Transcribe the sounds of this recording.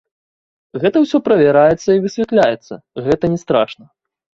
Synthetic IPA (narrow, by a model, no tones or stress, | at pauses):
ɣɛt̪ɐwsʲɔpɾɐvʲɛɾajɛt̪sːɐivɨsʲvʲɛt̪lʲajɛt̪sːɐ̰ | ɣɛt̪ɐnʲɛst̪ɾa̰ʂnɐ